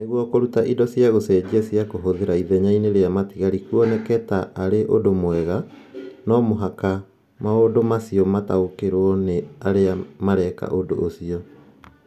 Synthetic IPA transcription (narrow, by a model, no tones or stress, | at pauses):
neɣwɔkoɾutaʔidɔsjaɣosɛːd͡ʑesjakoɦoðeɾaiðɛɲaineɾeamatiɣaɾikuɔnɛkɛtaʔːɾeʔodomowɛɣa | nɔmoɦaka | maodomasiɔmataokeɾwɔneaɾeamaɾɛka̰ʔodo̰ʔːsiɔ